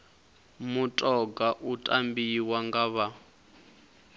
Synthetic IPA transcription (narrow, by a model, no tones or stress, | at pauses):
mutʼɔɡaʔutʼambiwaŋɡaβa